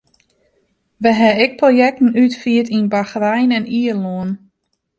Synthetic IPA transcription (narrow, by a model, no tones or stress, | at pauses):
ʋɛɦɛɪk̚projɛk̚tn̩ytfiətinbaxrɛjnɛniəloən